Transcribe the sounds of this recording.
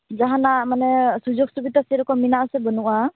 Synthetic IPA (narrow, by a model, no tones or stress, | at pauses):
zaɦanamanɛsuzɔk̚subitasɛɾɔkɔminaasɛbɔnuʔa